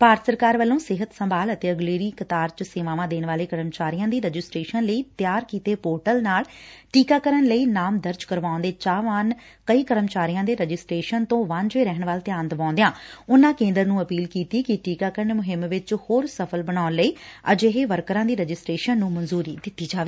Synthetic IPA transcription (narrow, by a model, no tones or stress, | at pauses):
paːɾət̪səɾkaːɾʋəlːõːsɪɦət̪səmbaːlət̪eːəɡleːɾiːkət̪aːɾt͡ʃəseːʋaːʋãːd̪eːnʋaːleːkəɾəmt͡ʃaːɾijãːd̪iːɾəd͡ʒɪsʈɾeːʃənləiːt̪ɪjaːɾkiːt̪eːpoːɾʈəlnaːlʈiːkaːkəɾənləiːnaːmd̪əɾd͡ʒkəɾʋaːʊ̃nd̪eːt͡ʃaːʋan | kəiːkəɾəmt͡ʃaːɾijãːd̪eːɾəd͡ʒɪsʈɾeːʃənt̪õːʋand͡ʒʋeːɾɛːɦəɳʋaːlt̪jaːnd̪əʋãːnd̪ejãːʊnːãːkẽːnd̪əɾnũːəpiːlkiːt̪iːkɪʈiːkaːkəɾnmʊɦɪmʋɪt͡ʃhoːɾsəpʰəlbəñaːnləiːəd͡ʒeɦeːʋəɾkɾãːd̪iːɾəd͡ʒɪsʈɾeːʃənːũːmənzuːɾiːd̪ɪt̪ːiːd͡ʒaːʋeː